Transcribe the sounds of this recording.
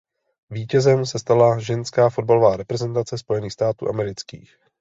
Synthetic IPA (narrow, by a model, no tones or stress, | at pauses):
viːcɛzɛmsɛst̪alaʒɛnskaːfo̞d̚balo̞vaːɾɛpɾɛzɛnt̪at͡sɛspo̞jɛniːxst̪aːt̪ṵːʔamɛɾɪt͡skḭːx